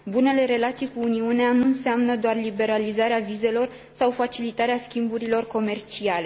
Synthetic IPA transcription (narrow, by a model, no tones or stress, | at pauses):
bune̞le̞ɾe̞lat̪sijkuːniuneanuɨnseamnəd̪oarlibe̞ɾalizaɾeavize̞lo̞r | sawfat͡ʃilit̪aɾeaskʲimbuɾilo̞rko̞me̞rt͡ʃiale̞